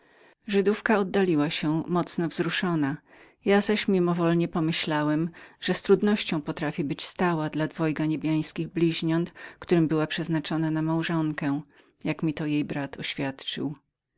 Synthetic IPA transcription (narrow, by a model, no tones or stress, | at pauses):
ʐɘd̪ufkaɔd̪ːalʲiwaɕɛmɔt̪snɔvzɾuʂɔna | jazaɕmʲimɔvɔlɲɛpɔmɘɕlawɛmʐ̥ɛst̪ɾud̪nɔɕt͡ɕɔ̃w̃pɔt̪ɾafʲibɘt͡ɕst̪awad̪lad̪vɔjɡaɲebʲjaj̃skʲiɣblʲiʑɲɔnt̪kt̪uɾɘmbɘwapʂɛznat͡ʂɔnanamawʐɔŋkɛ̃ | jakmʲit̪ɔjejbɾat̪ʰɔɕfʲjat̪t͡ʂɨ̰w